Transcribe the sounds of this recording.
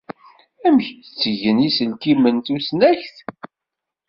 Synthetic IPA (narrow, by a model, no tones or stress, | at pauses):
æməçət͡sːəʝənisəlkimənt̪usnæçθ